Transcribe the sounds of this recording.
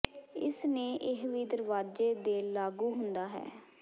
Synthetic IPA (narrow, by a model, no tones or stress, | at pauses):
ɪ̰sneːʔɪɦʋiːd̪əɾʋaːd͡ʒeːd̪eːlaːɡuːɦʊnd̪aːɦɛ̰ː